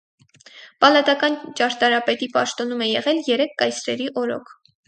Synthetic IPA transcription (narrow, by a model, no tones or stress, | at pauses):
pɑlɑt̪ɑkɑnt͡ʃɑɾt̪ɑɾɑpɛt̪ipɑʃt̪ɔnumɛjɛʁɛljɛɾɛkʰːɑjsɾɛɾiʔɔɾɔ̰kʰ